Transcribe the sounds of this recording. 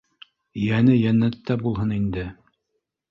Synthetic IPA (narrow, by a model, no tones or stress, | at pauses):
jænɘjænːæt̪ːæbulˠɦɤnind̪ɘ